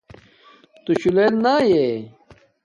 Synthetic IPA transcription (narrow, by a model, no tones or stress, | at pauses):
t̪uɕulennaːje